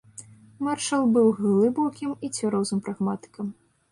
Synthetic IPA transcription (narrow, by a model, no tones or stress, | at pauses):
marʂɐlˠbɨwɣɨlˠɨbɔwkʲimit͡sʲvʲaɾɔwzɨmpɾaɣmat̪ɨ̥kɐm